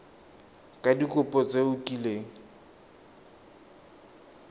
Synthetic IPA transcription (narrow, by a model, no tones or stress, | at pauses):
kʼadikʼʊpʼɔt͡sʼeʊkʼileŋ̩